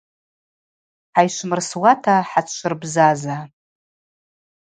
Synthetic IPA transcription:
ħajʃʷmɨrswatʰaħat͡sʰt͡ʃʷɨrbzaza

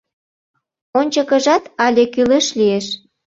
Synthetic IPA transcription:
onʲt͡ɕəkə̆ʒɑt̪ɑlʲekyleʃlieʃ

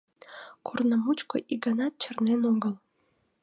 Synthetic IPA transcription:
kʰornəmut͡ɕkoʔiɡənɑt̪̚t͡ɕərnenoŋɡəl

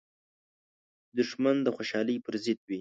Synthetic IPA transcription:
d̪ʊʂmand̪əxoʃɑləjpəɾzɪd̪̚wi

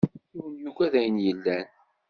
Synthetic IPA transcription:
uwənjukæðæjənjəlːæn

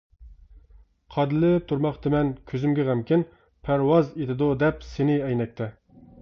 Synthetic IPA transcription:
qʰɑd̪ɨlɪp̚t̪ʰuɾmɑχt̪ɪmɛnkʲʰøzymɡʲɛʁæmkʲɪn | pʰæɾwɑzed̪ɪd̪ud̪ɛpsenɪɛjnɛk̚ʲt̪ʰɛ

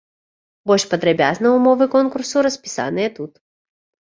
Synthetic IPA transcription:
bɔlʲʂpɐd̪ɾɐbʲaznɐumɔvɨkɔnkursuɾɐsʲpʲi̥sa̰nɨjɛt̪ut̪

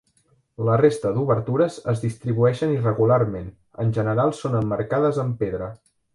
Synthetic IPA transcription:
lərest̪əd̪uβəɾt̪uɾəzəzðist̪ɾiβuɛʃənirəɣularmen | ənʲʒənəɾalˠsonəmːəɾkaðəzəmpeðɾə

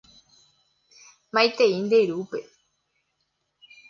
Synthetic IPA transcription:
mãjt̪eind̪eiɾupe

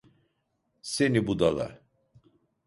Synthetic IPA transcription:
senibud̪ala̰

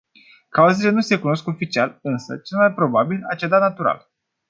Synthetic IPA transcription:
kauze̞le̞nuse̞kuno̞sko̞fit͡ʃialɨnsə̰t͡ʃelmaj̚pɾo̞babila̰t͡ʃed̪anat̪uɾa̰l

